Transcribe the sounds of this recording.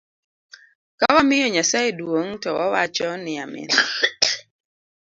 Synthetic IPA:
kawamɪjɔɲasajedwoŋtɔwawat͡ʃɔnɪamɪ̰n

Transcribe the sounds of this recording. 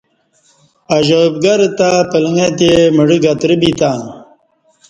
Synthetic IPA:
ɐʑəbɡɐɾt̪apəlŋet̪̬eməɽiɡɐt̪ɾibit̪aː

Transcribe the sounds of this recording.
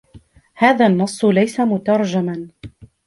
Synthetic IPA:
haːðaːnːɑsˤːlajsamʊt̪ɑɾˤd͡ʒaman

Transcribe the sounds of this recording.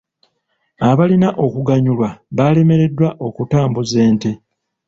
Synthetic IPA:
aβalinaʔo̞kuɡaɲulwaβale̞me̞ɾe̞dːwaʔo̞kutaːmbuze̞ːnte̞

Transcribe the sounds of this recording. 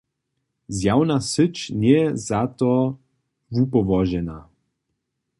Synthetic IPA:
zjawnasət͡ʃnjɛzat̪ɔ | vupɔvɔʒɛna

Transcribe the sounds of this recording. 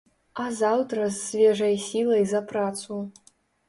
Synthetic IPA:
ɐzawt̪ɾɐsːvʲɛʐɐjsʲilˠɐjzɐpɾat̪su

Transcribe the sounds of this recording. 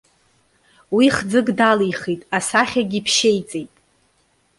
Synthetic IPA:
wiχd͡zɨɡdalijχitʼasaχʲaɡʲipʰʃejt͡sʼejtʼ

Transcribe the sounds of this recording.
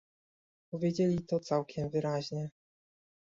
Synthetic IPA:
pɔvʲjed͡ʑelʲit̪ɔt̪sawkʲɛmvɘɾaʑɲɛ

